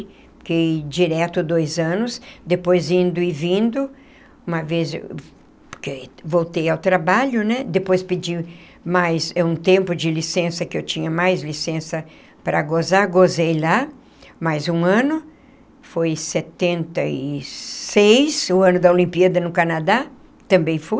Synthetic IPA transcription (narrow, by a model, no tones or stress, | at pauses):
kejd͡ʒiɾɛt̪ʊd̪ojzɐ̃nʊsd̪epojzĩnd̪ʊɪvĩnd̪ʊ | ũmɐvezḛ | pkevowt̪ejawt̪ɾabaʎʊnɛd̪epojspɪd͡ʒi | majsɛũt̪ẽmpʊd͡ʒɪlisẽsɐkɪewt͡ʃĩɲɐmajzlisẽsɐ | pɾɐɡozaɡozejla | majzũɐ̃nʊ | fojset̪ẽnt̪ɐisejsʊɐ̃nʊd̪ɐolĩmpiad̪ɐnʊkanad̪a | t̪ɐ̃mbẽj̃fuj